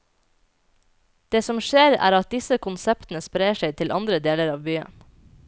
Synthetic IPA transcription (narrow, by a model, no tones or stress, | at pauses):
d̪̥eːsɔmʃeːɾæ̰ːɾɑt̪̚d̪ɪsəkʰʊnsɛpt̪n̩əspɾeɪːəʃeɪt̪ʰɪlʔɑnd̪ɾəd̪eːləɾɑːʋbyːə̰n